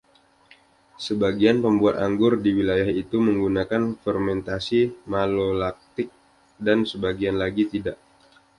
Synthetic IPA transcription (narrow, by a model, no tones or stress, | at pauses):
səbaɡianpəmbuat̪aŋɡʊrdiwilajahit̪uməŋɡunakanfərmɛnt̪asimalolak̚t̪ɪk̚ | dansəbaɡianlaɡit̪idaʔ